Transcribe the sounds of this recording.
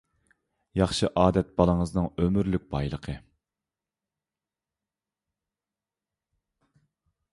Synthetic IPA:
jɑχʃɨʔɑːd̪ɛt̪̚b̥ɑlˠəŋəznɨŋømyɾlyk̚ʲbɑjlˠəqʰə

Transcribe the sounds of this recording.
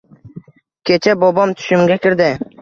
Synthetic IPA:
kʲʰe̞t͡ʃʰabobɒmt̪ʰʊ̥ʃɪmɡʲakʲɪɾd̪ɪ

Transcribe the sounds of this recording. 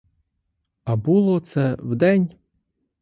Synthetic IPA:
ɐbulˠɔt̪sɛwd̪ɛnʲ

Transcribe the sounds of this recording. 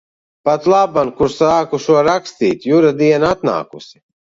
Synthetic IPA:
pat̪lˠabankuɾsaːkuʃuɔɾakst̪ḭːt̪ʲjuɾad̪iɛnat̪na̰ːkusi̥

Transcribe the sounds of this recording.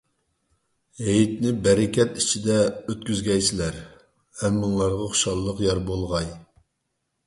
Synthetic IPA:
ɦejit̪nɪbɛɾɪkʲɛt̪it͡ʃʰid̪ɛøt̪̚kʲyzɡʲɛjt͡ʃʰilæɾ | vɛmːuŋlˠɑɾʁɑχʊ̥ʃɑlˠːəqjɑɾbolˠʁɑj

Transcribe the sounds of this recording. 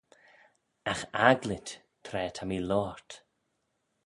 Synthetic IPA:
axaɡlɪt | tʰɾɛːt̪ʰamilɔːɹt

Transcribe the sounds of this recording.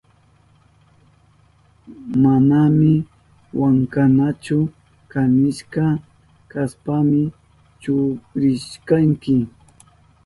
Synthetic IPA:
manamɪ | waŋkanat͡ʃʊ | kanɪʃka | kaspamɪ | t͡ʃʊkɾɪʃkaŋkɪ

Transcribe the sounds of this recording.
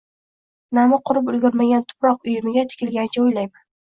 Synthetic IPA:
namɪqʰʊɾɪp̬ʊlɡʲʊɾmaɡʲant̪ʰʊ̥pɾɒq̚ʊjɪmɪɡʲat̪ʰɪ̥kʲɪlɡʲanɪt͡ʃʰaojlajman

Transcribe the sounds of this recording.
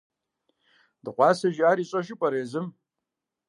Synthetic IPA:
dɨqʷɑːsɐʒaːɾiːɕʼɐʃɪpʷʼɐɾeːzɨm

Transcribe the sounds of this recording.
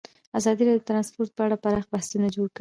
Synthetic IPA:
azɑd̪iɾɑdjd̪ət̪ɾɑnspoɾt̪̚pəaɽapaɾɑxbahsunad͡ʒoɽki

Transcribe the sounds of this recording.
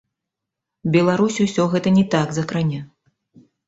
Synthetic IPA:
bʲɛlˠaɾusʲusʲɔɣɛt̪ɐnʲɛt̪aɡzɐkɾanʲa

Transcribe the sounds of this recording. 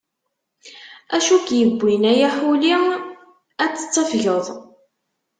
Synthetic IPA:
æʃukjəbʷːinæjaħuli | æt͡sːə̥t͡sːɑfʝəðˤ

